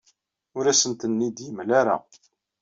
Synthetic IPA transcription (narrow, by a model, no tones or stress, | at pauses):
ʊɾæsənt̪ənːid̪jimlaɾa̰